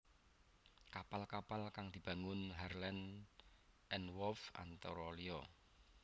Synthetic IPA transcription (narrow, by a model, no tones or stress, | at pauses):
kapalkapalkaŋd̪̥i̤b̥a̤ŋʊnɦarlɛn | ʔɛnwɔfa̰nt̪aɾɔliɔ